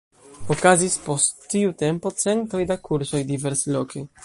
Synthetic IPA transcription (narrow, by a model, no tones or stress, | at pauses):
okazispost̪ːiut̪ɛmpot̪sɛnt̪ɾojd̪akuɾsojd̪ivɛɾslokej